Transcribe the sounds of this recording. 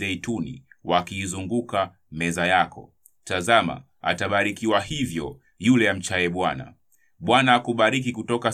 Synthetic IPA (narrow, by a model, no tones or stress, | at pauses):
ɛitunḭwakiːzuŋɡuka | mɛzajakɔ̰ | tazama̰ | a̰taɓaɾikiwahivjɔ | julɛam̩t͡ʃajɛɓwana̰ | ɓwanaːkuɓaɾik̬ikutɔka